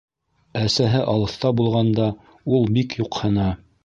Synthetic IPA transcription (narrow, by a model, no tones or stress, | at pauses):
æsæɦɘʔɑlˠɤ̆θt̪ɑbulˠʁɑnd̪ɑ | ulˠbikjuqhɤ̆nɑ